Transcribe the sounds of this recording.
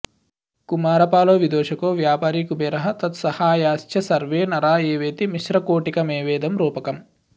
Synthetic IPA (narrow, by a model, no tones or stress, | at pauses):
kumaːɾɐpaːloːʋid̪oːʂɐkoːʋjaːpaːɾikubeːɾɐɦɐt̪ɐt̪sɐhaːjaːst͡ʃjɐsɐɾʋeːnɐɾaːeːʋeːt̪imiʃɾɐkoːʈikɐmeːʋeːd̪ɐmɾuːpɐkɐm